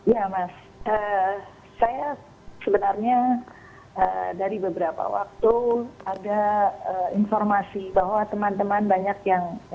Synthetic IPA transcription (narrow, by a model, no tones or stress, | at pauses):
jamas | əː | aja | səbənarɲa | ə̰daɾibəbəɾapa̰wa̰k̚t̪uadaəinformasibaɦwat̪əmant̪əmanbaɲakjaŋ